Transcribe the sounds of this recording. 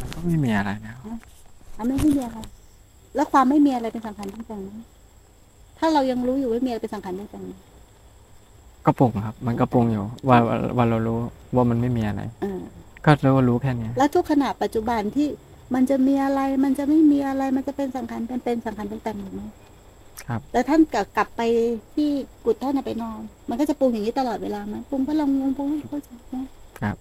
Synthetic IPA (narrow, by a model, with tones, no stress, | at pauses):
ma˧nkɔː˥˩ma˥˩jmiː˧ʔa˧ɾa˧jlɛ˦˥wa˥ʔa˧˩ma˥˩jma˥˩jmiː˧ʔa˧ɾa˧j | lɛː˦˥wkʰwaː˧mːa˥˩jmiː˧a˧ɾa˧jpe˧nsa˩˦ŋkʰa˧nda˧ŋt̪ɛː˨˩ŋna˦˥n | t̪ʰaː˥˩ɾa˧wja˧ŋɾuː˦˥juː˨˩waː˥˩miː˧˩pe˧nsa˨˦ŋkʰnda˧˩ŋt̪a˨˩ŋna˦˥n | kɔ˥˩pu˨˩ŋkʰa˦˥p̚ma˧nkɔ˧˥˩pu˧˩ŋjuː˨˩waː˧˩a̰˧waː˧ɾa˧wɾuː˦˥waː˥˩ma˧nma˥˩jmiː˧ʔa˧ɾa̰˧jʔaː˧˩kɔː˥˩lɯː˦˥˩wa˧˩ɾuː˦˥kʰɛː˥˩ni˦˥lɛ˦˥wt̪ʰu˦˥kʰːa˧na˨˩pa˨˩t̪̚t͡ɕu˨˩ba˧nt̪ʰiː˥˩ | ma˧nt͡ɕa˨˩miː˧ʔa˧ɾa˧jma˧nt͡ɕa˨˩ma˥˩jmiː˧ʔa˧ɾa˧jma˧nt͡ɕa˨˩pe˧nsa˨˩˦mkʰa˧npa˧npe˧nsa˨˩˦ŋkʰa˧nda˧˩ŋt̪aː˨˩ŋiː˨˩ma˦˥˩j | kʰa˦˥p̚lɛː˦˥t̪ʰa˥˩nka˨˩kla˨˩pːa˧jt̪ʰiː˥˩ku˨˩t̪ʰːa˥˩na˧˩pa˧jnɔː˧˩nma˧nkɔ˥˩t͡ɕa˨˩pu˧ŋja˨˩ŋːni˦˥t̪a˧lɔː˨˩t̪̚weː˧laː˧ma˦˥˩npu˧ŋkɔː˥˩la˧wo˧ŋpu˧˦ŋ˥˩kʰa˥˩t͡ɕa˧ma˦˥˩kʰa˦˥p̚